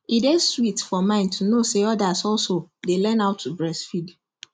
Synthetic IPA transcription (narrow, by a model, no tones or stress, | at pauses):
ideswitfɔmãɪ̃ntʰunoseɔdasɔlsodelɛ̃naʊtʰːubɹɛsfid